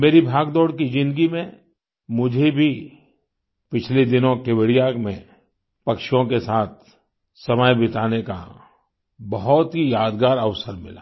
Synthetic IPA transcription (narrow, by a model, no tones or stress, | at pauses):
meːɾibʱaːɡd̪ɔːɽkid͡ʒɪ̃nd̪əɡimẽ | mʊd͡ʒʱebʱi | pɪt͡ʃʰled̪ɪnõkeʋəɽijakmẽ | pɐkʃjõkesaːt̪̚ʰ | sɐməjbɪt̪aːneka̰ | bɐɦɔt̪ɦijaːd̪ɡaːɾɐʋsəɾmɪ̰la̰ː